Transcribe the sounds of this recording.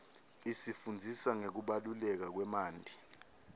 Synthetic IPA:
isifund͡zʱisaŋek̬uɓalulɛk̬ak̬wɛmaːndʱi

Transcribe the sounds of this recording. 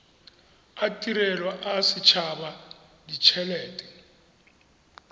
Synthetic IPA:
atʼiɾɛlwaʔasit͡ʃʰaɓadit͡ʃʰɛlɛːtʼɛ̥

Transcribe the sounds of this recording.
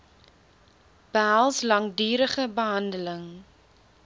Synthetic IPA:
b̥ælˠslɐŋdyːɾəχəbəɦɐndələŋ

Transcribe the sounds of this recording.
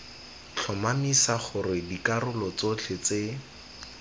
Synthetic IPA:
t͡ɬʰɔmamisaχʊrɪdikarʊlɔt͡sot͡ɬʰet͡se

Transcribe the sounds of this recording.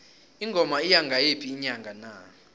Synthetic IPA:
iŋɡʱɔmaijaŋɡʱajepʰiːɲaŋɡʱana̰

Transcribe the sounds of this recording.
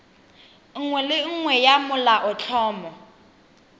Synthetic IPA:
ŋ̩ŋwɛlɪŋ̩ŋwɛjamʊlaʔɔt͡ɬʰɔːmɔ

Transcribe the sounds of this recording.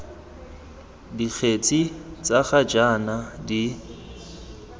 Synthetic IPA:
dik͡xʰet͡sʼit͡sʼaχad͡ʒanadi

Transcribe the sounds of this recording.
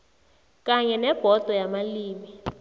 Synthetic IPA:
k̬ʼaɲɛnɛb̥ʱɔd̥ʱɔjamaliːmi

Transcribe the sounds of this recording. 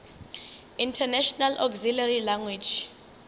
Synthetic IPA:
intʰɛnɛʃɔnalʔɔkzilarilaŋwid͡ʒ

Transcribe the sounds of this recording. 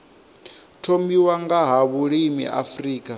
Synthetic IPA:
tʰomiwaŋɡaɦaβuɺimḭʔa̰friːkʼa

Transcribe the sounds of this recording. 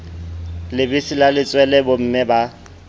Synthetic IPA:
lɪbɪsilalɪt͡sʼwɛlɛbʊm̩mɪba

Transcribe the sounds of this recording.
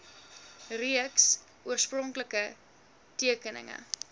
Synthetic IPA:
riəks | ʔuərsprɔŋkləkə | tiəkənə̰ŋə̰

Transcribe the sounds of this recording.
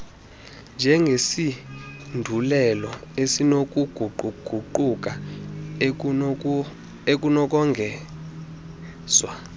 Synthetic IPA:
nd͡ʒʱɛŋɡʱesindʱulɛlɔesinok̬ʼuɡ̥ʱuǃʱuɡ̥ʱuǃuk̬ʼa | ek̬ʼunɔk̬ʼɔŋɡʱɛː | z̥wa

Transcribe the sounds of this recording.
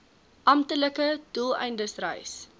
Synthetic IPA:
ʔɐmtələkəd̥ulˠɛ̰jndəsrɛ̰js

